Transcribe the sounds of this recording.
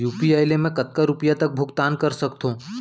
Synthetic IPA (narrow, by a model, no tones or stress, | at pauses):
juːpiaːjlemẽkɐt̪̚kaɾʊpjat̪ɐk̚bʱʊɡt̪aːnkɐɾsɐkt̪ɦõː